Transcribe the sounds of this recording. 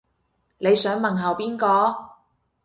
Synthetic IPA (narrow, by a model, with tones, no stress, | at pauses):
ne˨˧jsœː˨˥ŋmɐ˨nɦɐ˨˩wpiː˥nkɔː˧